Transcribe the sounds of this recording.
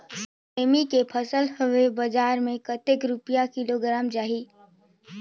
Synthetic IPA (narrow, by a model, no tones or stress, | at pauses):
s | eːmikepʰəsəlɦʊʋebəd͡ʒaːɾmẽkət̪ɪkɾʊpijakɪloɡɾaːmd͡ʒaːɦiː